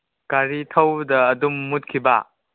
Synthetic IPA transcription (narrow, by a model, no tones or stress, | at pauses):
kaɾitʰɐwdɐːdumːut̚kʰiba̰